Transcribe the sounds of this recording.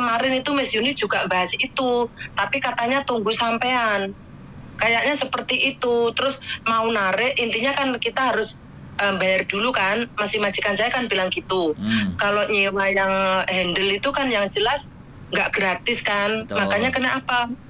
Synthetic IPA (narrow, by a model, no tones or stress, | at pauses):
kəmaɾɪnit̪umɛsiunɪt̪̚d͡ʒ̥uɡaʔmbaɦasit̪ut̪apikat̪aɲat̪uŋɡusampean | kajaʔɲasəpərt̪iʔit̪ut̪əɾʊsmaunaɾɪʔint̪iɲakankit̪aɦaɾʊs | ʔəmbajard̥ulukanmasɪhmat͡ʃikansajakanbilaŋkit̪ukaloɲiwajaŋɦɛndəlit̪ukanjaŋd͡ʒəlas | ŋɡaʔɡ̥ɾat̪ɪskanmakaɲakənəʔapa